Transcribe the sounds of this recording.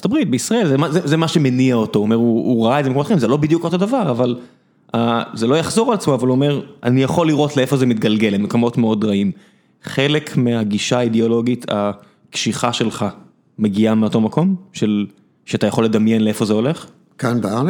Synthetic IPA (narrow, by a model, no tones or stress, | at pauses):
t̪abʁit̚beisʁae̞lzemazezemaʃemeniaotouome̞ʁuːʁaaezemekotχaĩmzelo̞bid̪jukotodavaʁaval | azelojaχzo̞ʁalat͡smoavaluome̞ʁa̰nijaχo̞lːiʁʔo̞tleefo̞zemit̪ɡɐlɡe̞lemekomo̞tmeo̞dʁaim | χe̞le̞kʰmeaɡiʃaideo̞lo̞ɡitʰa̰ | kʃiχaʃe̞lχa | meɡiameo̞to̞mako̞mʃe̞l | ʃeatajaχo̞lːed̪ɐmje̞nlee̞fo̞zeo̞le̞χ | kanbal